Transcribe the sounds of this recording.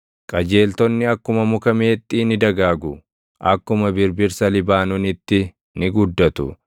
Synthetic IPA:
kʼɐd͡ʒe̞ːlt̪ɔnːɪɐkːʊmɐmʊkɐmeːt̪ʼːiːnɪd̪ɐɡaːɡʊ | ʔɐkːʊmɐbɪɾbɪɾsɐlɪbaːnʊnɪt̪ːɪ | nɪɡʊd̪ːɐt̪ʊ

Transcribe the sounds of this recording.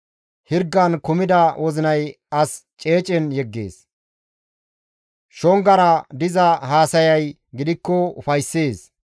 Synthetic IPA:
hɪɾɡːɐnkʊmɪd̪ɐwʔɔzɪnɐj | ɐst͡ʃʼe̞ːt͡ʃʼɛnjɛɡːḛːs | ʃɔŋɡɐɾɐd̪ɪzɐhaːsɐjɐj | ɡɪd̪ɪkːɔʊfɐjsːeːs

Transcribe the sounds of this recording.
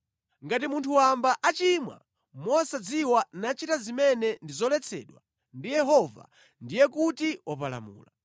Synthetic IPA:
ŋɡatimuntʰuwambaʔat͡ʃimwa̰ | mɔsad͡ziwanat͡ʃitazimɛnɛndizɔlɛt͡sʰɛ̰ɗwa | ndijɛɦɔva̰ | ndijɛkutiwapala̰mṵːla

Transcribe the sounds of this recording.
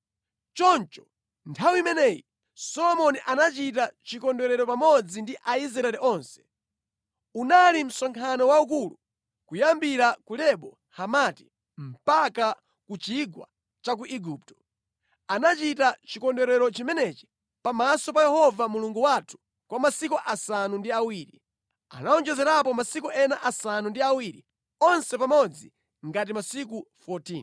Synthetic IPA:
t͡ʃɔnt͡ʃɔ̥ | ntʰawiimɛnɛji | sɔlɔmɔniʔanat͡ʃit̬at͡ʃikɔndɔɾɛɾɔpamɔd͡zindiʔaisɾaɛlɛʔɔːnsɛ̥ | unalim̩sɔŋkʰanɔwauk̬ulu | kujambiɾakulɛɓɔ | hamati̥ | m̩paka | kut͡ʃiɡwa̰ | t͡ʃak̬uʔiɡup̚tɔ̥ | anat͡ʃitat͡ʃikɔndɛɾɛɾɔt͡ʃimɛnɛt͡ʃi̥ | pamasɔpajɛhɔvamuluŋɡuwatʰu̥ | kwamasikuʔasanundiawiːɾi | a̰naɔnd͡ʒɛzɛɾapɔmasikuʔɛnaʔasanundiawiɾḭ | ɔnsɛpamɔd͡zi | ŋɡat̬imasikufɔtiːn

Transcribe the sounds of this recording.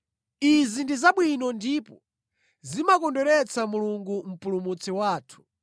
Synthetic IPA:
izindizaɓwinɔndipɔ | zimakɔndɛɾɛt͡samuluŋɡum̩pulumut͡sɛwaːtʰu̥

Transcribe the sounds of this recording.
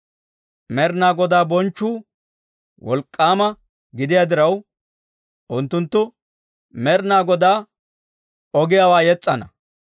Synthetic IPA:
mɛɾnaːɡɔd̪aːbɔnt͡ʃːuː | wɔ̰lkʼːaːmɐ | ɡɪd̪ɪjaːd̪ɪɾɐw | ʔʊnt̪ːʊnt̪ːʊ | mɛɾnaːɡɔd̪aː | ɔɡɪjaːwaːjɛt͡sʼːɐnɐ

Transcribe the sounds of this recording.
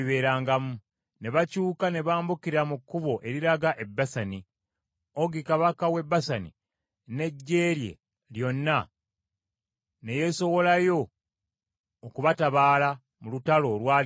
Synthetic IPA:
βe̞ːɾaːŋɡamu | ne̞βacuːkane̞βaːmbukiɾamukːuβo̞ʔe̞ɾiɾaɡaʔe̞bːasani | oɡikaβakawe̞bːasanḭ | ne̞ɟːe̞ːɾje̞̰ | ljo̞nːa | ne̞je̞so̞βo̞lajo̞ | kuβataβaːla | mulutalo̞lwaː

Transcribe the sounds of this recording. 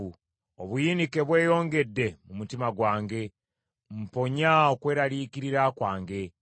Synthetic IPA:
u | oβujiːnike̞βwe̞ːjo̞ːŋɡe̞dːe̞mumutimaɡwaːŋɡe̞ | m̩po̞ɲaokwe̞ːɾaliːkiɾiɾakwaːŋɡe̞

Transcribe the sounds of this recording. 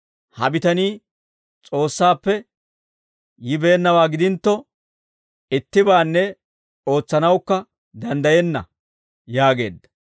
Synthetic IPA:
hɐ̰bɪt̪ɐniː | t͡sʼo̞ːsːaːpːɛ | jɪbe̞ːnːɐwaːɡɪd̪ɪnt̪ːɔ | ɪt̪ːɪbaːnːɛ | o̞ːt͡sːɐnɐwkːɐ | d̪ɐnd̪ɐjɛnːɐ̰ | jaːɡe̞̰ːd̪ːɐ̥

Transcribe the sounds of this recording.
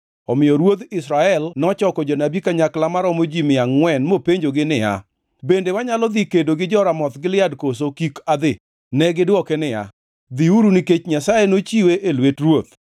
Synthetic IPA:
ɔmɪjɔɾwot̪ɪsɾaɛlnɔt͡ʃɔkɔd͡ʒɔnabikaɲaklamaɾɔmod͡ʒimɪaŋːwɛnmopeɲd͡ʒoɡɪnɪja̰ | bendewaɲalɔd̪ikedoɡɪd͡ʒɔɾamɔt̪ɡɪlɪadkos̬okikad̪ɪ | nɛɡɪdwɔkɛnɪa̰ | d̪iuɾuniket͡ʃɲasajenot͡ʃiweʔelwetrwot̪̚

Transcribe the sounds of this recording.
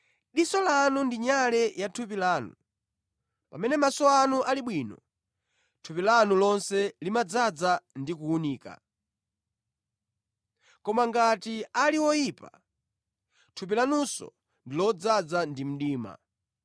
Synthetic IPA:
ɗisɔlanundiɲalɛjatʰupilaːnṵ | pamɛnɛmasɔanuʔaliɓwinɔ | tʰupilanulɔnsɛlimad͡zad͡zandikuːniːka̰ | kɔmaŋɡatialiwɔjipa̰ | tʰup̬ilanusɔ̰ | ndilɔd͡zad͡zandim̩ɗiːma̰

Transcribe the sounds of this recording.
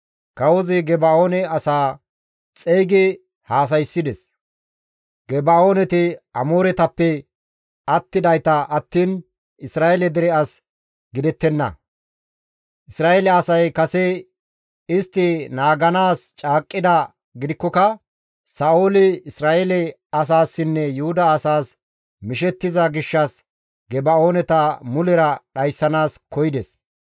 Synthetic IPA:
kɐwɔzɪɡɛbaoːnɛɐsaː | t͡sʼɛjɡɪ | haːs̬ɐjsːɪd̪ɛs | ɡ̥ɛbaoːnɛt̪ɪɐmoːɾɛt̪ɐpːɛ | ɐt̪ːɪd̪ɐjt̪ɐʔɐt̪ːiːn | ɪsɾaːelɛd̪ɛɾɛɐs | ɡɪd̪ɛt̪ːɛnːɐ̰ | ʔɪsɾaːɛlɛɐsɐjkɐsɛ | ɪst̪ːɪnaːɡɐnaːst͡ʃʼaːkʼːɪd̪ɐ | ɡɪd̪ɪkːɔkɐ | sɐʔoːlɪɪsɾaːʔelɛ | ɐs̬aːsːɪnːɛjʊhʊd̪ɐːsaːs | mɪʃɛt̪ːɪzɐɡɪʃːɐs | ɡɛbɐo̞ːnɛt̪ɐmʊlɛɾɐɗɐjsːɐnaːskɔjɪd̪ɛs

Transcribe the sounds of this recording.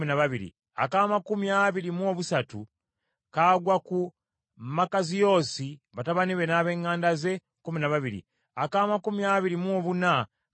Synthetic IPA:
minaβaβiɾḭ | a̰kaːmakumiaβiɾimuo̞ːβusatu | kaːɡwaku | makazijo̞ːsiβataβaniβe̞naːβe̞ːŋːaːndaze̞ | kuminaβaβiɾḭ | akaːmakumiaβiɾimoːβuna

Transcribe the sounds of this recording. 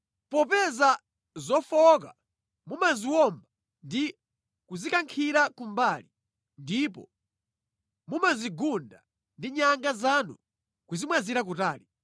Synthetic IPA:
pɔpɛza | zɔfɔka | mumaziwɔmba | ndi | kuzikaŋkʰiɾakumbaːli | ndipɔ̰ | mumaziɡunda | ndiɲaŋɡazanṵ | kuzimwaziɾak̬utaːɾi

